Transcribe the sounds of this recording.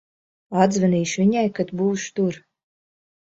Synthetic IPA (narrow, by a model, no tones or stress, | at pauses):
ad̪zvɨniːʃvʲiɲajkat̪buːʃt̪uɾ